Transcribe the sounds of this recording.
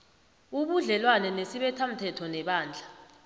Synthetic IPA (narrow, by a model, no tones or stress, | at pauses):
uɓuɮɛlwanɛnesiɓɛtʰam̩tʰɛtʰɔnɛɓaːnd͡ɮʱa